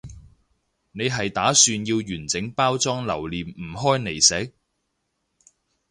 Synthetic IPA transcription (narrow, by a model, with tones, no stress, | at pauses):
ne˨˧jɦɐ˨jt̪aː˨˥syː˧njiː˧wjyː˨˩nt͡sɪ˨˥ŋpaː˥wt͡sɔː˥ŋlɐ˨˩wliː˨mm̩˨˩ɦɔː˥jne˨˩jsɛ˨˥k̚